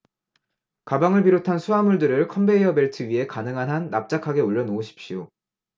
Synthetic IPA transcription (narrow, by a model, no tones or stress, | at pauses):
kabaŋɯɭbiɾotʰansʰuamuɭdɯɾɯɭkʰʌmbe̞iʌbe̞ɭtʰɯɥiɦe̞kanɯŋɦanɦanːap̚t͡ɕ͈akʰaɡe̞oʎːʌnoːɕʰi̥p̚ɕ͈ijo